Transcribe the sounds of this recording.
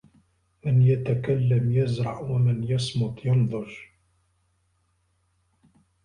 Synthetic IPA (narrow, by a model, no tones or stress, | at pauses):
mɪnjat̪akalːamjazɾˤɑʕwamɪnjɑsˤmʊt̪ˤjɑnd̪ˤʊʒ